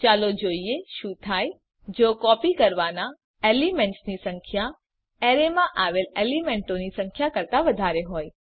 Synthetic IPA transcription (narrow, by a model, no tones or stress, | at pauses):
t͡ʃalod͡ʒoieʃũt̪ʰaj | d͡ʒokɔpikəɾʋana | elimẽɳʈsnisəŋkʰja | eɾemãʔaʋelelimeɳʈonisə̃ŋkʰjakəɾt̪aʋəd̪ʱaɾeɦoj